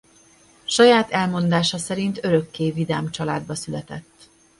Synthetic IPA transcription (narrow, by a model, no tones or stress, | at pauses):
ʃɒjaːt̪ɛlmo̞nd̪aːʃɒsɛɾint̪øɾø̞kːeːvid̪aːmt͡ʃɒlaːd̪bɒsylɛt̪ɛ̰t̪ː